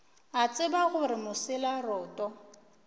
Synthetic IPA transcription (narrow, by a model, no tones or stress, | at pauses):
at͡sʼɪbaɣʊɾɪmʊsɪlarɔːtʼɔ